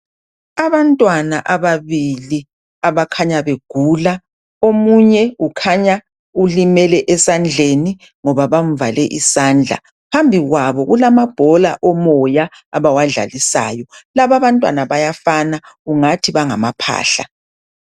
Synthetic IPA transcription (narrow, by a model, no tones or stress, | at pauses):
aβantʼwanaʔaβaβili | aβakʰaɲaβeɡ̥ʱuːla | omuɲɛukʰaɲa | ulimɛlɛʔɛsand͡ɮʱeni | ŋɔβaβam̩valɛʔisaːnd͡ɮʱa̰ | pʰambʱiɣwaβɔɣulamab̥ʱɔla̰ʔɔmɔjaː | βawaɮa̰lisa̰ːjɔlaβaβantʼwanaβajafanauŋatʰiβaŋamapʰa̰ːɬa̰